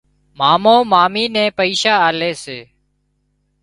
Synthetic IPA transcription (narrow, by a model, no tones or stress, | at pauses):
maːmõːmaːmiːnɛ̃ːpəiːʃaːaːleːseː